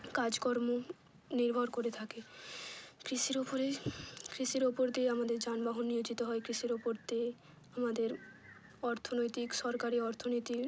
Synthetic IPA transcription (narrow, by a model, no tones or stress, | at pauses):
kad͡ʑkoɾmo | niɾbʱoɾkoɾet̪ʰake | kɾiʃiɾopoɾekɾiʃiɾopoɾd̪ieamad̪eɾd͡ʑanbaɦonːiod͡ʑit̪oɦɔekɾiʃiɾopoɾd̪ie | amad̪eɾ | ɔɾt̪ʰonojt̪ikʃɔɾkaɾiɔɾt̪ʰonojt̪i